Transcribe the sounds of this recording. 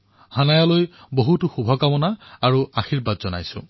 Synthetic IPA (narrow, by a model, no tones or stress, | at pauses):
hanajalojboɦutʊxubʱɔkamɔnaaɹuaxiɹbadzɔna̰jsʊ̰̃